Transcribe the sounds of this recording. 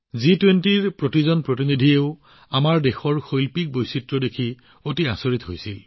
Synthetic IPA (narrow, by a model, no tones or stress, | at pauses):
zitwentiɹpɹotizɔnpɹotinidʱieʊ | amaɹdexɔɹxojlpik̚bojsitɹɔdekʰi | otia̰soɹitɦojsil